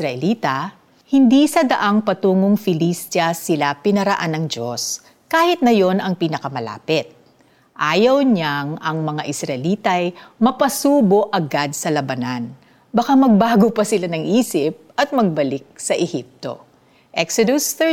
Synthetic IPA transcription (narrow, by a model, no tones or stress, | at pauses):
ɾɐʔɛliːt̪ɐ | hɪnd̪isɐd̪ɐʔaŋpɐt̪uːŋoŋfɪlist̪jɐsɪlapɪnɐɾɐʔanːɐŋd͡ʒos | kaːhɪt̪̚nɐjo̞nɐŋpiːnɐkɐmɐla̰ːpɪt̪̚ | ʔaːjɐwɲaŋɐŋmɐŋaʔɪsɾɐʔɛliːt̪ɐjmɐpɐsuːbo̞ʔɐɡad̪̚sɐlɐbɐnan | bɐkamɐɡ̚baːɡopɐsɪlanɐŋʔiːsɪp̚ʔɐt̪̚mɐɡ̚bɐlɪk̚sɐʔɛhip̚t̪o̰ | ʔɛksod̪ʊs